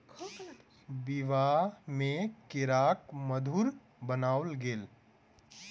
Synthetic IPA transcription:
bɪʋamẽkɪɾaːkməd̪ʱuːɾ | bənaːʊlɡeːl

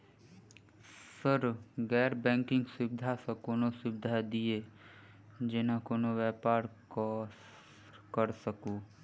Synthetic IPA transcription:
səɾɡɛːɾbɛ̃ːŋkɪ̃ŋɡsʊbɪd̪ʱasɐ̃koːnosʊbɪd̪ʱad̪ie | d͡ʒenakoːnoʋɛːpaːɾ | kəɾsəkuː

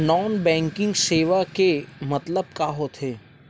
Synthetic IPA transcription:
nɔːnbɛ̃ːŋkɪ̃ŋɡseːʋakemɐt̪ləb̚kaːɦot̪ʰeː

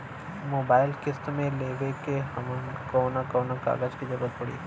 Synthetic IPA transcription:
moːbaːɪlkɪstmẽleːʋekeɦɐmənkoːnakɔːnaka̰ːɡəd͡ʒkid͡ʒɐbət̪̚pəɽi

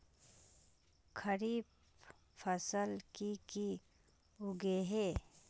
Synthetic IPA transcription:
kʰəɾiːb | fʰəsəlkiki | ʊɡeɦeː

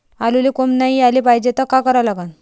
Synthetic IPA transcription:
alulekomnaɦialipajd͡ʑet̪akakəɾalaɡan

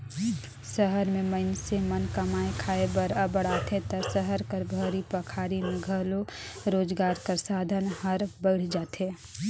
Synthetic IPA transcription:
səɦəɾmẽməɪnsemənkɐmaːekʰaːebəɾəbəɽ̤aːt̪ʰet̪əsəɦəɾkəɾbʱəɾipəkʰaːɾimẽɡʱəloɾoːd͡ʒɡaːɾkəɾsaːd̪ʱənhəɾbəɪɽ̤d͡ʒaːt̪eː

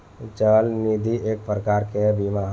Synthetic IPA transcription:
t͡ʃəlnid̪iʔeːk̚pɾəkaɾkebimaɦ

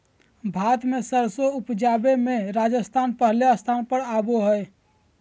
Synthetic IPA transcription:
bʱat̪mesəɾsoupd͡ʒabemẽɾad͡ʒəst̪ʰaːnpəɦleəst̪ʰaːnpəɽaboɦəj

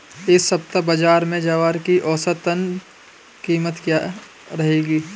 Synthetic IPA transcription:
esɐp̚t̪abəd͡ʒaːɾmẽd͡ʒaːʋaːɾkiʔɔːsət̪ən | kiːmət̪kja | ɾɐɦeːɡiː

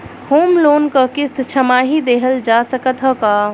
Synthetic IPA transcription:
hoːmloːnkəkɪst̪ʰt͡ʃʰəmaːɦid̪eːɦəld͡ʒasəkət̪ɦəkaː

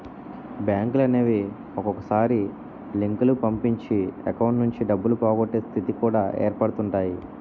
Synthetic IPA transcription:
bjaːŋklɐneːʋi | ɔkɔkɐsaːɾi | liŋkulupɐmpiɲt͡ʃiɐ̰kɐwɳʈnuɲt͡ʃiɖɐbːulupaːɡoʈːeːst̪ʰit̪ikuːɽaːʔḛːɾpɐɽt̪uɳʈaːji

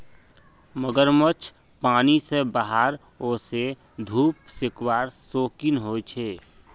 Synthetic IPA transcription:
məɡəɾmət͡ʃʰ | paːnisebaɦaɾ | ose | d̪ʱuːpsɪkwaːɾsoːkɪnɦoːt͡ʃʰeː

